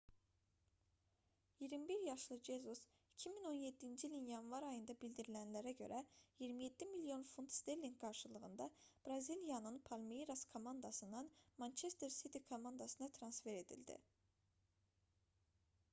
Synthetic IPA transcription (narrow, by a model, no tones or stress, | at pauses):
jiɾmibiɾjɑʃlˠɯd͡ʒe̞zus | icʰimino̞nje̞d̪ːind͡ʒiːlʲinjɑnvɑɾɑjɯnd̪ɑbild̪iɾilænlæɾæɟø̞̰ɾʔæjiɾmije̞d̪̥ːimiljo̞nfunt̪st̪e̞lːiŋɡɡɑɾʃɯlˠɯɣɯnd̪ɑb̥ɾɑzilijɑnɯnpʰɑlmiiɾaskʰo̞mɑnd̪ɑsɯnd̪ɑnmɑnt͡ʃʰe̞st̪eɾsit̪ʰikʰo̞mɑnd̪ɑsɯnɑt̪ʰɾɑnsfe̞ɾe̞d̪ḭld̪ḭ